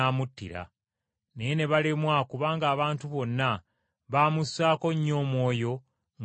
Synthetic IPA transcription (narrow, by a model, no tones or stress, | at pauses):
amutːḭɾa̰ | ne̞jene̞βalemwakuβaːŋɡaːβaːntuβo̞nːa | βaːmusaːko̞ɲːo̞ːmwo̞ːjo̞